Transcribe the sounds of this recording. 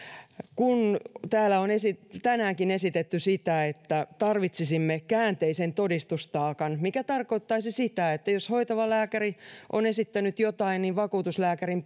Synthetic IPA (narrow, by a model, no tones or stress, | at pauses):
kunt̪æːlæonesit̪ænæːŋkine̞sit̪et̪ːysit̪æet̪ːæt̪ɑrʋit̪sisimːekæːnt̪eisent̪odist̪ust̪ɑːkɑnmikæt̪ɑrkoit̪ːɑisisit̪æet̪ːæjoshoit̪ɑʋɑlæːkæriʔonesit̪ːænyt̪jot̪ɑinniʋʋɑkuːt̪uslæːkærim